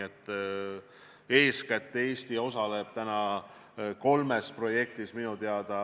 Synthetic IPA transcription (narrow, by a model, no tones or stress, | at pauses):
et̪ːˑ | e̞ːskæt̪ːeːsʲt̪io̞sɑle̞b̥̚t̪ænɑ | ko̞lme̞spro̞je̞k̚t̪isminut̪eɑd̪̥ɑ